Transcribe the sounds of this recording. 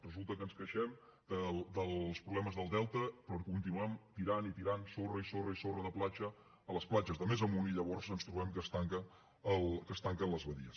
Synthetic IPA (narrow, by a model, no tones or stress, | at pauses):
rəzulˠt̪əkənskəʃɛm | d̪̥əld̪əlˠspɾuβlɛməzðəlˠd̪ɛlˠt̪əpɾɔkunt̪inuɛmt̪iɾanit̪iɾansorəisorəisorəðəplat͡ʃəː | ləsplad͡ʒəzðəmezəmuniʎəβɔrzənst̪ɾuβɛmkəst̪aŋkə | əlˠkəst̪aŋkənləzβəðḭəs